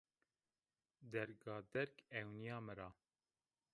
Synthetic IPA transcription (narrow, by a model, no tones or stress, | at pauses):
d̪ɛɾɡɑːd̪ɛɾkɛwnijɑːmɨɾɑː